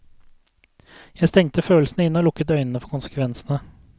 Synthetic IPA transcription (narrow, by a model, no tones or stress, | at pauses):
jæɪst̪ɛŋt̪əføːl̩snəɪnːɔːlʊkːət̪œʏnən̩əfɔkʊnsə̥kʰʋɛnsnə